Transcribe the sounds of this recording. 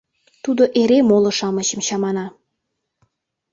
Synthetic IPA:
t̪ud̪oʔeɾemolŏʃɑmə̆t͡ɕə̆mɕɑmɑnɑ

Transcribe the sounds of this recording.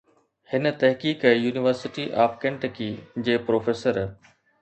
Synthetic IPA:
hɪnət̪ɐɦkiːkjuːnɪʋəɾsɪʈiʔaːpkẽɳʈkiːd͡ʑeːpɾoːfeːsəɾ

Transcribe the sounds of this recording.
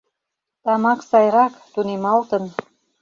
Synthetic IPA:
t̪ɑmɑksɑjɾɑkt̪unemɑlt̪ən

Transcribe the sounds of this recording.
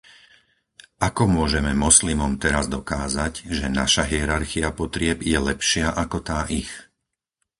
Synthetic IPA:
ʔakɔmʊɔʒɛmɛmɔslimɔmt̪ɛɾazd̪ɔkaːzaɟʒɛnaʃaɦiɛɾaɾxiapɔt̪ɾɪɛbjɛlɛpʃɪaʔakɔt̪aːʔix

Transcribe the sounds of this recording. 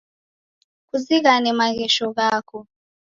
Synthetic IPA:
kuziɣanɛmaɣɛʃɔɣakɔ

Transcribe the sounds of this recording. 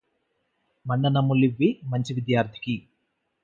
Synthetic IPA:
mɐɳɖɐnɐmuliʋːimɐɲt͡ʃiʋid̪jaːɾd̪ʰʱi̥ki

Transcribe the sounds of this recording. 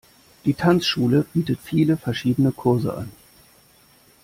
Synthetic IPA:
d̥iːtʰant͡sʃuːləbiːtətfiːləfɛɐʃiːdənəkʰʊɐzə̰ʔa̰n

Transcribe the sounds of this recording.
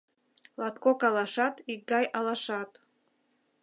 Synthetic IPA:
lat̪kokalaʂat̪iɡajʔalaʂat̪ʼ

